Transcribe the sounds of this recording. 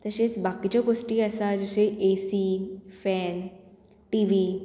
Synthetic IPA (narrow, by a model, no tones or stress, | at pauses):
t̪əsesbakit͡ɕoɡosʈiːəsad͡ʑoseʔesifɛn | ʈiʋiː